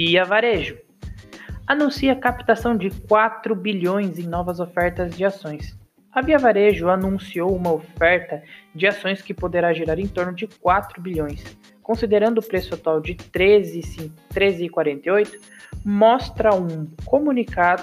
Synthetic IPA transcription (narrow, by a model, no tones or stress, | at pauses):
iɐvaɾeʒʊ | anũsiɐkapt̪asɐ̃w̃d͡ʒɪkwat̪ɾʊbiʎõj̃zẽj̃nɔvɐzofɛɾt̪ɐzd͡ʒɪasõj̃s | ɐviavaɾeʒʊanũsiowũmɐofɛɾt̪ɐd͡ʒɪasõj̃skɪpod̪eɾaʒeɾaɾẽj̃t̪oɾnʊd͡ʒɪkwat̪ɾʊbiʎõj̃s | kõsid̪eɾɐ̃nd̪ʊːpɾesʊat̪uawd͡ʒɪt̪ɾezɪsĩt̪ɾezɪːkwaɾẽnt̪eojt̪ʊ̥ | mɔst̪ɾɐũkomũnikad̪